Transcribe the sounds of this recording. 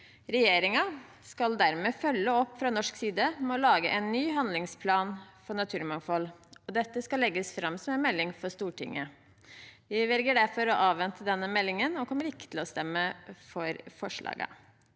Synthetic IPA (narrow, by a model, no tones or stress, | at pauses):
ɾɛjeːɾɪŋɑ | skɑld̪æɾmeːfœlːəɔpːfɾɑːnɔʂksiːd̪əmɛɔlɑːɡəʔɛnːyːɦɑnd̪lɪŋspʰlɑːnfɔɳɑt̪ʰʉːɾmɑŋfɔlɔd̪ɛt̪ːəskɑlːɛɡːəsfɾɑmːsɔmɛnmɛlːɪŋfɔʂt̪uːʈɪ̰ŋːə | ʋɪʋɛlɡəɖæɾfɔɾɔʔɑːʋʋɛnt̪ʰəd̪ɛnːəmɛlːɪŋənɔkʰɔmːəɾɪkːə̥t̪ʰɪl̩ɔst̪ɛmːəfɔɾfɔʂɭɑ̰ːɡə̰